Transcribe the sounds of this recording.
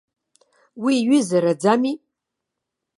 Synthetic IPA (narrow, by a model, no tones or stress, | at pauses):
wiɥʏzaɾad͡zami